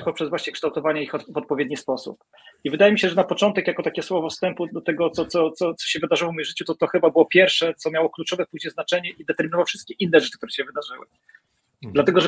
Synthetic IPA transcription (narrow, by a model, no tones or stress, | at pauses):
pɔpʂɛzvwaɕɲɛkʂt̪awt̪ɔvaɲɛixɔvɔt̪̚pɔvʲjed̪ɲispɔsṵp | ivɘd̪ajɛmʲiɕɛʐɛnapɔt͡ʂɔnt̪ɛkjakɔt̪akʲɛswɔvɔfst̪ɛmpud̪ɔt̪ɛɡɔt̪sɔt̪sɔt̪sɔt̪sɔ̥ɕɛvɘd̪aʐɨwɔvmɔjimʐɘt͡ɕut̪ɔt̪ɔxɘbabɘwɔpʲjɛɾfʂɛt̪sɔmʲjawɔklut͡ʂɔvɛpuʑɲɛznat͡ʂɛɲɛʔid̪ɛt̪ɛɾminɔvawfʂɘst̪̚kʲɛʔinːɛʐɛt͡ʂɨ̥k̚t̪uɾɛɕɛvɘd̪aʐɘwɘ̰ | d̪lat̪ɛɡɔʐɛ